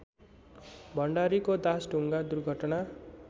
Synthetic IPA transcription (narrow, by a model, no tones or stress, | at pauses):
bʱʌɳɖaɾikod̪asɖʱuŋɡad̪urɡʱʌʈna